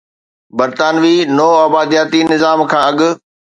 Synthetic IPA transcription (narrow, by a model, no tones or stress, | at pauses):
bɐɾt̪aːnʋiːnoːaːbaːd̪ijaːt̪inɪzaːmkʰãːɐɠʊ̆